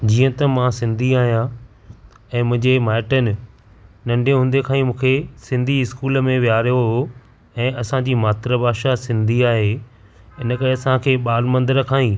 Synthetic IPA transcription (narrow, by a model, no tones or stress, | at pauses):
d͡ʑiːə̃t̪ɐmãsɪ̃nd̪ʱiaːɦijã | ɛ̃ːmʊ̃ɦɪ̃ɲd͡ʑemaːɪʈənɪ̆ | nɐ̃ɳɖʱẽɦũːn̆d̪ekʰaːĩmũːkʰesɪ̃nd̪ʱiɪskuːləmẽʋijaːɾijoɦo | ɛ̃ːʔɐsãd͡ʑiːmaːt̪ɾəbʱaːʃasɪ̃nd̪ʱiaːɦe | ɪnə̆kɐɾeɐsãkʰeːɓaːlmə̃nd̪əɾɐkʰãːĩː